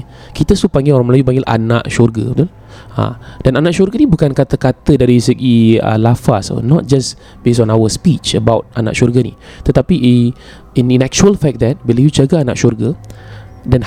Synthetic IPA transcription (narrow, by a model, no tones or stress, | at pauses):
kit̪əsupãŋɡɪloɾãŋməlajup̬ãŋɡɪlʔa̰nã̰ʔʃɔrɡə̰bit̪ul | ã̰d̥ananãʔʃɔrɡənibukankat̪əkat̪ədaɾisəɡiə̰lafaso̰nɔt̚d͡ʒas | bes̬ɔ̃nawəspit͡ʃəbawt̚ana̰ʔʃɔrɡənḭ | t̪ət̪apiʔ | inĩnɛk̚t͡ʃuəlfɛk̚d̪ɛt̚wiləjut͡ʃaɡaanã̰ʔʃɔrɡə | dɛn